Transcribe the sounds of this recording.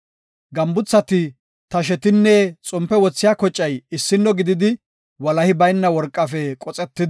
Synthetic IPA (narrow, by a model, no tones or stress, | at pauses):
ɡɐmbʊt͡sːɐt̪ɪ | t̪ɐʃ̬ɛt̪ɪnːɛt͡sʼʊmpːɛwɔt͡sːɪjaːkɔt͡ʃʼːɐjɪsːɪnːɔɡɪd̪ɪd̪ɪ | wɐlɐhɪbɐjnːɐwɔɾkʼːɐfɛkʼɔt͡sʼɛt̪ːɪd̪